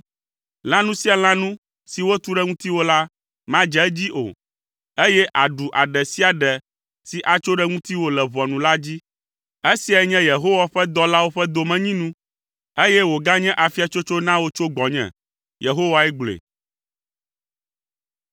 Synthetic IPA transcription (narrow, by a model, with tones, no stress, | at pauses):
l̃ã˦nũ˦si˦a˨l̃ã˦nũ˦ | si˨wo˦t̪u˦ɖɛ˦ŋũ˦t̪i˦wo˦la˦ | mã˦d͡ʒɛ˦d͡ʑi˦ʔo̰˨ | e˦jɛ˦ʔa˨ɖu˨ʔa˨ɖɛ˨si˦a˨ɖɛ˨ | si˨ʔa˨t͡ʃo˦ɖɛ˦ŋũ˦t̪i˦wo˦lɛ˨βɔ˨nũ˨la˦d͡ʑi˦ | e˦si˨˦a˨ɛ˦ɲɛ̃˦je˨ɦo˦wa˨ɸɛ˦d̪ɔ˦la˦wo˦ɸɛ˦d̪o˨mɛ̃˦˨ɲĩ˦nũ˦ | e˦jɛ˦wo˨ɡa˦ɲɛ̃˦ʔa˨fi˦a˨t͡ʃo˦t͡ʃo˦nã˦wo˦t͡ʃo˦ɡ͡bɔ˨ɲɛ̰̃˨ | je˨ɦo˦wa˨ɛ˦ɡ͡blḛ˨